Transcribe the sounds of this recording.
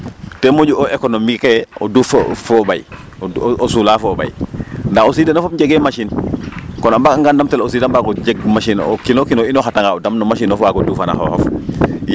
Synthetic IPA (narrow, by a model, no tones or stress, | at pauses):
tɛmoɟuʔoekonomikeo̰duffoba̰j | osulafoːba̰jndaxosiːdanofop̚ɲɟeɡɛmaʃinkɔnabakaŋɡandamtɛlos̬iːdambakoɟeɡmaʃino̰kinokinoinoxataŋɡaodamnomaʃ̬inɔfwakoduːfana̰xo̰xɔf